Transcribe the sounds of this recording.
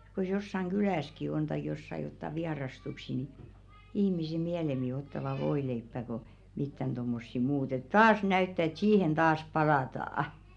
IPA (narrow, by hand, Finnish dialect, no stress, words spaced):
k̞os josːɑŋ ɡ̊ylæˑski on tɑik josːɑ jotːɑ ʋiɑrɑstuksi ni ihmise miælemi otːɑʋɑ ʋoileipːæ ko mitːæn d̥omːosːi muːt et tɑːs næytːæ et siːhen tɑːs pɑlɑtɑːɑ̆